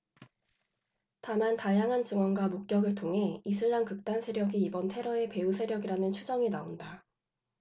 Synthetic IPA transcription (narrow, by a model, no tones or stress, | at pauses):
tamantajaŋɦant͡ɕɯŋwʌnɡwamok̚k͈jʌɡɯɭtʰoŋɦe̞isʰɯɭːankɯk̚t͈ansʰe̞ɾjʌɡiːbʌntʰe̞ɾʌe̞pe̞usʰe̞ɾjʌɡiɾanɯnt͡ɕʰud͡ʑʌŋinaonda